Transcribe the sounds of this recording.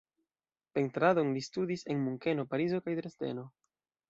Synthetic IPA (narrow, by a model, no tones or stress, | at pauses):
pe̞ntɾado̞nlistudise̞nmuŋke̞no̞paɾizo̞kajdɾeste̞̰no̞